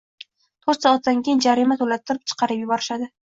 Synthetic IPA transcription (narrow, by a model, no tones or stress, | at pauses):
t̪ʰoɾt̪sɒat̪̚d̪aŋkʲʰejɪnd͡ʒaɾimat̪ʰolat̪ʰːɪɾɪp̚t͡ʃʰɨ̥qʰɑɾɪpjʊbɒɾɪʃad̪ɪ